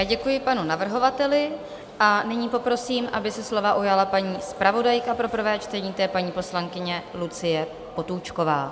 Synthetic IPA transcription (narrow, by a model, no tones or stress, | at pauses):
aɟɛkujɪpanunavr̩ɦo̞vat̪ɛlɪ | ʔanɪɲiːpo̞pɾo̞siːmʔabɪsɛslo̞vaʔujalapaɲiːspɾavo̞dajkapɾo̞pr̩vɛːt͡ʃt̪ɛɲiːt̪ɛːpaɲiːpo̞slaŋkɪɲɛlut͡sɪjɛ | po̞t̪uːt͡ʃko̞va̰ː